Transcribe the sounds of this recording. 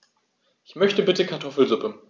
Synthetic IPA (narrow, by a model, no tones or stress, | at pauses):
ʔɪçmœçtəbɪtəkʰaɐtʰɔfl̩zʊpə